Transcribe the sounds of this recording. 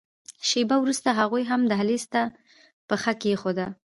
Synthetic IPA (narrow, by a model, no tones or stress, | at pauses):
ʃebawɾust̪aɦaɣujɦamd̪əɦalist̪a | pəxakejexod̪a